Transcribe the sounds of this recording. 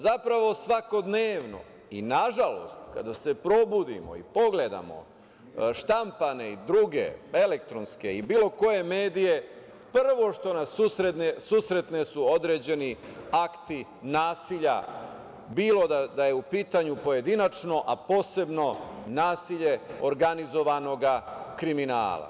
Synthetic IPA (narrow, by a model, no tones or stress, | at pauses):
zapɾaʋo̞sʋako̞d̪neːʋno̞̰ | ḭnaʒalo̞̰st̪ka̰d̪ase̞pɾo̞bud̪ḭmo̞̰ḭpo̞ɡled̪a̰mo̞̰ | ʃt̪ampane̞id̪ɾuːɡe̞̰e̞lek̚t̪ɾo̞nske̞ibiːlo̞ko̞je̞me̞ːd̪ije̞ | pr̩ʋo̞ʃt̪o̞nasusɾenesuːsɾe̞t̪ne̞suod̪ɾe̞d͡ʑe̞niakt̪i | naːsiʎa̰ | biːlo̞d̪ad̪aje̞upiːt̪aɲupo̞je̞d̪inat͡ʃno̞ʔapo̞ːse̞bno̞naːsiʎe̞o̞ɾɡanizo̞ʋano̞ɡakɾimina̰ːla̰